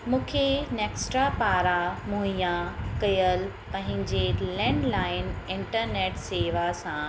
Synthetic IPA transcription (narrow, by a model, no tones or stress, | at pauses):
mũːkʰeneːksʈɾapaːɾamũĩjãkɐjəl | pɐ̃ɦɪ̃ɲd͡ʑelɛ̃ːɳɖlaːɪnɪ̃ɳʈəɾneːʈseːʋasã